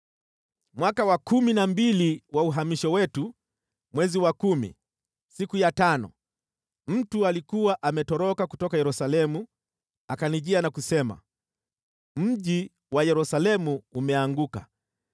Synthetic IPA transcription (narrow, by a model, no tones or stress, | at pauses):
mwakawakuminambiliwauɦamiʃɔwɛtu | mwɛziwakumḭ | sikujatanɔ̰ | m̩tualikuwaʔamɛtɔɾɔkakutɔkajɛɾusalɛmu | akaniʄianakusɛma̰ | m̩ʄi | wajɛɾusalɛmuːmɛaŋɡuka̰